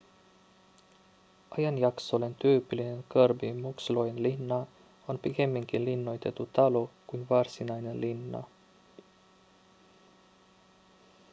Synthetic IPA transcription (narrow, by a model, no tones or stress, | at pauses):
ʔɑjɑnjɑksolent̪yːpilinenkɤrbimuksloenlinːɑ | onpike̞mːiŋkilinːo̞jt̪e̞t̪ːut̪ɑlokujnvɑrsinɑjnelinːɑ̰